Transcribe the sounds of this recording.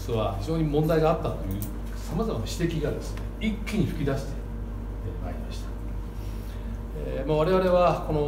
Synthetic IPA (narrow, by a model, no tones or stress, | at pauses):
soβaçiʑo̞ːɲ̟imõ̞nd̪aiɡaːt̪ːat̪o̞jɯ̟ː | samazamanaɕi̥t̪e̞kʲiɡad̪e̞sɨ̥ne̞ikʲːiɲ̟iɸɯ̟kʲid̪aɕi̥t̪e̞ | ma̰ːɾʲimaɕi̥t̪ḁ | ḛmaβaɾe̞βaɾe̞βako̞no̞